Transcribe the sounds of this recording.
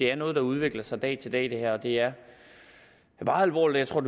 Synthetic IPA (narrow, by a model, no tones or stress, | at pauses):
e̝æɐnɔ̽ːð̞̩ˠd̥ɑ̈uð̞ˠʋe̝ɡ̥lɐsɑ̈ɪd̥ɛ̰ːt͡sʰe̝ld̥ɛ̰d̥e̝hæɐ̰ɒ̽d̥e̝æɐ | b̥ɑ̈ːælʋɒ̰ːlidjɪt͡sʰo̝̰d̥